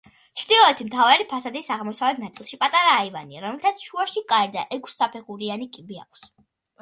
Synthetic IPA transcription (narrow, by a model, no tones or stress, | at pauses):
t͡ʃʰɾd̪ilˠɔɛt̪ʰimt̪ʰavaɾipʰasad̪isaʁmɔsavɛt̪ʰnat̪sʼilˠʃipʼat̪ʼaɾaːivaniaɾɔmɛlt̪ʰat̪sʰʃuaʃikʼaɛɾd̪a̰ʔɛkʷʰsːapʰɛχuɾianikʼibia̰kʷʰs